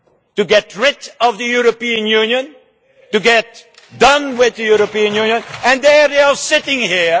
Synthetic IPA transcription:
tuɡɛt̚ɹɪtɔvðəjuɹopiə̃njũnjə̃n | tuɡɛt̚ | dʌ̃nwɪðdəjuɹopiə̃njũnjə̃nɛ̃ndɛɹiəsɪtɪ̃ŋhi

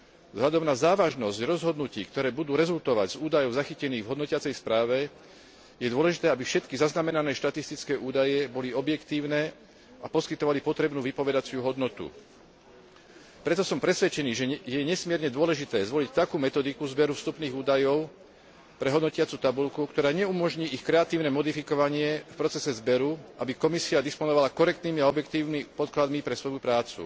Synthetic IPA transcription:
vzɦlʎad̪ɔmnazaːʋaʒnɔzɟɾɔzɦɔd̪nuciːkt̪ɔɾɛːbud̪uːɾɛzult̪ɔʋaɟz̥uːd̪ajɔʊzaxicɛniːɣvɦɔd̪nɔcɪat͡sɛjspɾaːʋɛ | jɛd̪ʊɔlɛʒit̪ɛːabifʃɛt̪kizaznamɛnanɛːʃt̪at̪ist̪it͡skɛːʔuːd̪ajɛbɔliɔbjɛkt̪iːʊnɛː | apɔskit̪ɔʋalipɔt̪ɾɛbnuːʋipɔʋɛd̪at͡sɪuɦɔd̪nɔt̪ṵ | pɾɛt̪ɔsɔmpɾɛsʋɛt͡ʃɛniːʒɛjɛɲɛsmɪɛɾɲɛd̪ʊɔlɛʒit̪ɛːzʋɔlict̪akuːmɛt̪ɔd̪ikuzbɛɾufst̪upniːɣuːd̪ajɔʊ | pɾɛɦɔd̪nɔcɪat͡sut̪abulkukt̪ɔɾaːɲɛumɔʒɲiːʔixkɾɛat̪iːʊnɛmɔd̪ifikɔʋaɲɪɛfpɾɔt͡sɛsɛzbɛɾuʔabikɔmisiad̪ispɔnɔʋalakɔɾɛkt̪niːmiaɔbjɛkt̪iːʊnipɔt̪̚klad̪mipɾɛsʋɔjupɾaːt͡sṵ

